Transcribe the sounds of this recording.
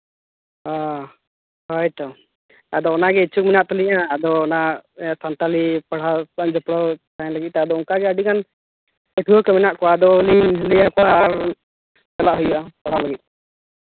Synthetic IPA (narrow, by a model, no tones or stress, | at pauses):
ɦa | hɔjʈɔ | ad̪ɔːnaɡɛit͡ʃʰuk̚minaʔt̪ɔliʔaːd̪ɔːnasant̪alipəɽ̤asand͡ʒɔpɽɔt̪aɛ̃ləɡit̪̚t̪aad̪ɔɔŋkaɡɛaəɖikan | əʈʰuɔkəmɛnaʔkɔad̪ɔliiɦlijakɔwaːɾ | t͡ʃɛlaʔɦujuʔapɔɽ̤aləɡit̪̚ˀ